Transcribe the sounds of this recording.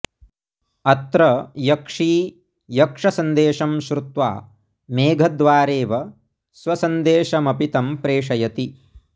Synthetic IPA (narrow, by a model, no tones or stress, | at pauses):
ɐt̪ɾɐjɐkʂiː | jɐkʂɐsɐnd̪eːʃɐmʃɾut̪ʋa̰ː | meːɡʱɐd̪ʋaːɾeːʋɐ | sʋɐsɐnd̪eːʃɐmɐpit̪ɐmpɾeːʂɐjɐt̪i